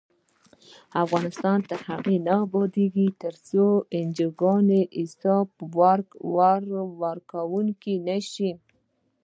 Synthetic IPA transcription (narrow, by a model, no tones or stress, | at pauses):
afɣɑnɪst̪ɑnt̪ahaɣenabɑd̪eɡit̪əɾsoɪnd͡ʒəɡɑneʔɪsɑbwaɾɡwaɾwaɾkawuŋkinaʃi